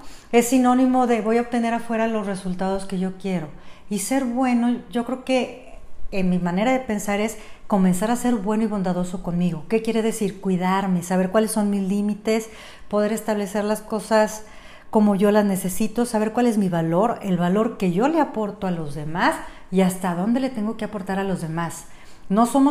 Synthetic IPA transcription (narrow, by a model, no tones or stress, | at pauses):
e̞sino̞nĩmo̞ðe̞βo̞jaot̪e̞ne̞ɾafwe̞ɾalo̞sre̞sult̪að̞o̞ske̞ʝo̞kje̞ɾo̞ise̞ɾβwe̞no̞ʝo̞kɾe̞oke̞ː | nmimãne̞ɾaðe̞pe̞nsaɾe̞sko̞mẽ̞nsaɾase̞ɾβwe̞no̞iβ̞o̞nd̪aðo̞so̞ko̞nmiɣo̞ke̞kje̞ɾe̞ð̞e̞siɾkwiðaɾme̞saβeɾkwalesːonmizlimit̪e̞s | po̞ð̞e̞ɾe̞st̪aβ̞le̞se̞ɾlasko̞sas | ko̞mo̞ʝo̞lazne̞se̞sit̪o̞saβe̞ɾkwale̞zmiβalo̞ɾe̞lβalo̞ɾke̞ʝo̞le̞apo̞ɾt̪o̞alo̞zðe̞mas | iast̪aðo̞nd̪e̞le̞t̪e̞ŋɡo̞keapo̞ɾt̪aɾalo̞zðe̞mas | no̞so̞mo